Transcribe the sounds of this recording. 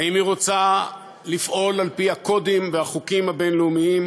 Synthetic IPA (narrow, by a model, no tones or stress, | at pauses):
aimiʁo̞t͡sa | lifʔo̞lalpiako̞d̪imvehaχukimhabe̞nleumiim